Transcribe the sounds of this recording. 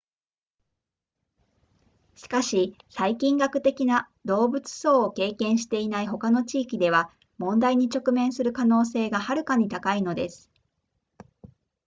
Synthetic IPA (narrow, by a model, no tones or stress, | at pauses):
ɕi̥kaɕisaikʲĩŋɡakɯ̟̥t̪e̞kʲina | d̪o̞ːbɯ̟t͡sɨ̥so̞ːke̞ːkẽ̞ɰ̃ɕ̬i̥t̪e̞inaiɦo̞kano̞t͡ɕiːkʲid̪e̞βa | mõ̞nd̪aiɲ̟it͡ɕo̞kɯ̟mẽ̞ɰ̃sɨɾɯ̟kano̞ːse̞ːɡahaɾɯ̟kaɲ̟it̪akaino̞d̪e̞sɨ̥